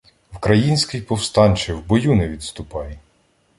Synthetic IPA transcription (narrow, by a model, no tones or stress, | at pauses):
wkɾɐjinʲsʲkɪjpɔwst̪ɑnʲt͡ʃɪwbɔjunɛʋʲid̪st̪ʊpɑjɛ